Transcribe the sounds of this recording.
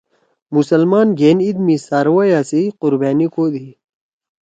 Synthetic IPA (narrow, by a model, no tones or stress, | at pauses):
musɐlmaːnɡeːnid̪misaːɾwajaːsiqʊɾbaːnikoːd̪iː